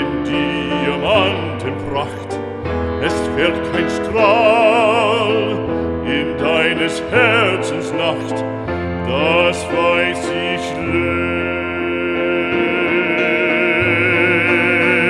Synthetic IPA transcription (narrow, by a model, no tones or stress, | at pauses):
ɪndiamantʰənpʰraxt | ɛstfɛltʰaɪ̃nstra | l | ɪndaɪnəshɛɹsən̩snaxt | d̥asvaɪs | ɪ | çlø